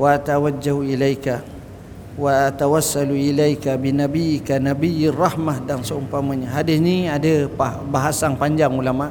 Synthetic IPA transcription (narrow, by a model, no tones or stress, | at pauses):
waat̪awad͡ʒːahuilajka | waːt̪awasːaluilajkabinabijɪkanabijrˤɑhmahdansəumpamaɲaɦadisnĩadəpa | baɦasaŋpaɲd͡ʒaŋulamaʔ